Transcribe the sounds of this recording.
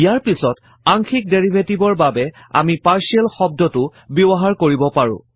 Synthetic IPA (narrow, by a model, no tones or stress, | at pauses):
ijaɹpisɔt | aŋxʰik̚deɹibʱetibɔɹbabɛ | a̰mipaɹsiɛlxɔb̚dɔtʊbubɔɦaɹkoɹibɔpaɹʊ̰̃